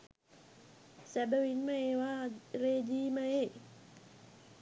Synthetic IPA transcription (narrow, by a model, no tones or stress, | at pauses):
sɛbawinmaewaɾedimae